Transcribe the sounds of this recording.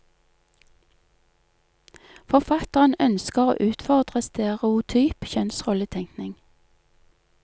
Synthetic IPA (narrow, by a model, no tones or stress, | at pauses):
fɔʁfɑt̪əʁənœnskəʁo̰ːʔʉːt̪fɔʁd̪ʁəst̪eʁɛʊt̪ʰyːpçœnsʁɔlət̪ʰɛŋknɪŋ